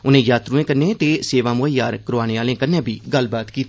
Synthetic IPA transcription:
ʊnẽːjaːt̪ɾuẽːkənẽːt̪eːseːʋaːmʊɦəjaːɾkəɾoaːneːaːlẽːkənːẽːbʱiːɡəlbaːt̪kiːt̪ː

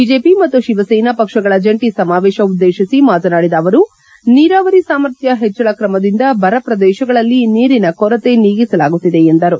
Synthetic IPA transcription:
bid͡ʒeːpimɐt̪ːuʃiʋɐsɐjnɐpɐkʂɐɡɐɭɐd͡ʒɐɳʈisɐmaːʋɛːʃɐud̪ːeːʃisimaːt̪ɐnaːɽid̪ɐːʋɐɾu | niːɾaːʋɐɾisaːmɐɾt̪ʰjɐɦet͡ʃːɐɭɐkɾɐmɐd̪ind̪ɐbʱɐɾɐpɾɐd̪ɛːʃɐɡɐɭɐlːiniːɾinɐkɔɾɐt̪e̞niːɡisɐlaːɡut̪ːid̪e̞end̪ɐɾu

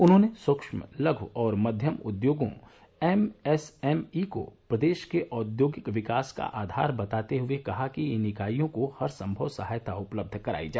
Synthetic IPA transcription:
ʊnɦõːneswɐkʃməlɐɡʱɔːɾmɐd̪ʱjəmʊ̰d̪joːɡõ̰ | ɛmɛsɛmiko̰pɾɐd̪eːʃkeʔɔːd̪joːɡɪkʋɪkaːska̰ʔaːd̪ʱa̰ːɾbɐt̪aːt̪eɦʊekɐɦakinɪkaːijõkohɐɾsɐ̃mbʱəʋsɐɦaːjt̪ʰaʊpləb̚d̪ʱkɐɾa̰ːid͡ʒaː

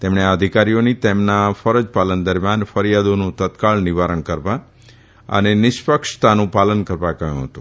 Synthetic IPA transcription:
t̪emɳeaəd̪ʱikaɾijonit̪emnafəɾəd͡ʒpalənd̪əɾmjanfəɾjad̪onũt̪ət̪kaɭniʋaɾəɳkəɾʋa | ə̰nenɪʃpəkʂt̪anũpalənkəɾʋakəjṵ̃ɦət̪ũ

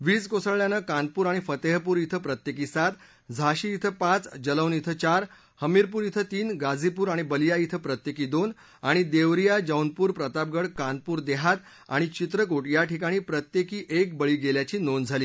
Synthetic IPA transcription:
ʋiːt͡skosəɭɭjanəkant̪̚puːɾaɽ̃ifət̪eɦpuːɾit̪ʰəpɾət̪jekiːsat̪ | d͡zʱaɕiːit̪ʰəpãt͡sd͡ʑələwnit̪ʰət͡ɕaɾ | həmiɾpuːɾit̪ʰət̪iːnɡad͡zipuːɾaɽ̃ibəlijait̪ʰəpɾət̪jekiːd̪on | aɽ̃id̪eʋɾijad͡ʑəwnpuːɾpɾət̪ap̚ɡəɽkãn̚puːɾd̪eɦat̪ | a̰ɽ̃it͡ɕit̪ɾəkoʈjaʈʰikaɽ̃iːpɾət̪jekiːʔek̚bəɭiːɡeljat͡ɕiːnond͡zʱaliː

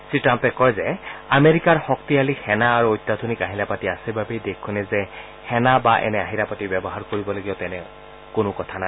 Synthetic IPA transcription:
siʈampɛkɔjzɛameɹikaɹxɔk̚t̪ialikhɛnaːɹuojt̪ːad̪ʱunikaɦilapatiasibʱabejd̪ekʰːunɛzɛ | hɛnabaʔɛ̰nɛaɦilapatibjɔbɔɦaɹkoɹibɔloɡijɔt̪ɛnɛ | kʊnʊkɔt̪ʰana

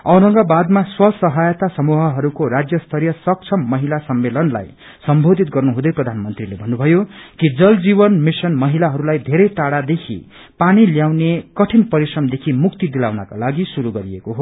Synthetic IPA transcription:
ʌɾʌ̃ŋɡʌbad̪maswʌsʌɦajʌt̪asʌmuɦʌɦʌɾukoɾad͡zjʌst̪ʰʌɾjʌsʌk̚t͡sʰʌmːʌɦilasʌmːelʌnla̰j | sʌmbʱod̪ʱit̪ɡʌrnuɦũd̪ʌjprʌd̪ʱanmʌnt̪rilebʱʌnːubʱʌjokid͡zʌld͡ziβʌnmisʌnmʌɦilaɦʌɾulajd̪ʱeɾʌjʈaɽad̪ekʰḭ | paniljawnekʌʈʰinpʌɾisrʌmd̪ekʰimuk̚t̪id̪ilawnaka̰laɡisuɾuɡʌɾiekoɦo

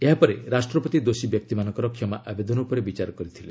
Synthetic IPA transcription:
eɦapɔɾeɾasʈɾɔpɔt̪id̪osibjɔk̚t̪imanɔ̃ŋkɔɾɔkʰːjɔmaʔabed̪ɔnupɔɾebit͡ʃaɾɔkɔɾit̪ʰile

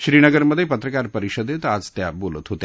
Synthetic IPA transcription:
ʃɾinəɡəɾməd̪ʱjepət̪ɾəkaɾpəɾiʃɔd̪et̪ad͡zt̪jabolut̪ɦot̪e

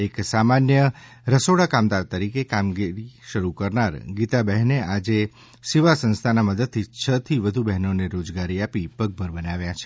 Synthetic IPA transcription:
eksamanjə | ɾəsoɽakamd̪aɾt̪əɾikekamɡiɾiʃəɾukəɾnaɾɡit̪abɛɦnead͡ʒe | siʋasə̃nst̪ʰanaməd̪əd̪̚t̪ʰit͡ʃʰət̪ʰiʋəd̪ʱubɛɦnoneɾod͡ʒɡaɾiapipəɡ̚bʱəɾbənaʋjat͡ʃʰe̥

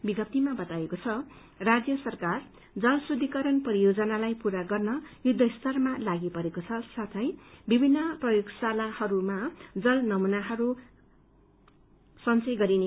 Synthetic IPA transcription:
biɡʌp̚t̪imabʌt̪aekot͡sʰʌ | rad͡zjʌsʌrkar | d͡zʌlsrud̪ʱikʌɾʌnpʌɾijod͡zʌnalajpuɾaɡʌrnʌjud̪ʱːʌist̪ʌrmalaɡipʌɾekot͡sʰʌsat̪ʰʌjbibʱinːʌprʌjoɡsalahʌɾumad͡zʌlnʌmunaɦʌɾu | sʌnt͡sʌjɡʌɾine

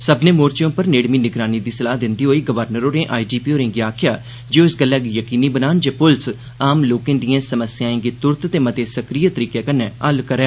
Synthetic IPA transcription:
səbnẽːmoːɾt͡ʃjõːpəɾneːɽmiːnɪɡɾaːniːd̪iːsəlaːɦd̪ɪnd̪iːɦoːiːɡəʋəɾnəɾoːnẽːʔaːiːd͡ʒiːpiːoːɾẽːɡiaːkʰɪjaː | d͡ʒeːoːɪsɡəlːaːɡijəkiːniːbənaːnd͡ʒeːpʊls | aːmloːkẽːd̪iãːsəməsjãːẽːɡeːt̪ʊɾt̪t̪eːmət̪eːsəkɾiːjət̪əɾiːkeːkənːeːəlkəɾɛː

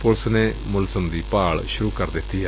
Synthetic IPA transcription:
poɭsɐnemulsɐmd̪ipaːɭɕuɾukɐɾd̪et̪ːija

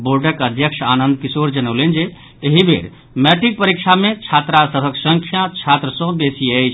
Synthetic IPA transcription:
boɾɖəkəd̪ʱjəkt͡ʃʰanənd̪̚kisoɾd͡ʒənəwlend͡ʒe | eɦibʱḛɾ | mɛʈik̚pəɾikt͡ʃʰamet͡ʃʰat̪ɾasəbʱəksəŋkʰjat͡ʃʰat̪ɾəsɔ̃d̪esiəjt͡ʃʰ

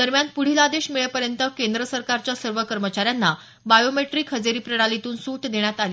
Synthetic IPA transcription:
d̪̥əɾmjanpuɽ̤ilad̪eɕmiɭjepəɾjənt̪əkend̪ɾəsəɾkaɾt͡ɕjasəɾʋəkəɾmət͡ɕaɾjanːa | bajomeʈɾiːkɦəd͡zeɾiːpɾəɽalit̪uːnsut̪d̪eɳ̃jat̪aliː

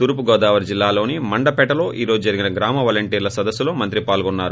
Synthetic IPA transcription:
t̪uɾupuɡɔːd̪aːʋɐɾd͡ʒilːaːlo̞ːnimɐɳɖɐpɛʈːɐlo̞ːʔiːɾo̞ːd͡ʒud͡ʒɐɾiɡinɐɡɾaːmɐʋɐlɐɳʈiːɾlɐsɐd̪ɐsːulo̞ːmɐnt̪ɾipaːlɡɔnːaːɾu

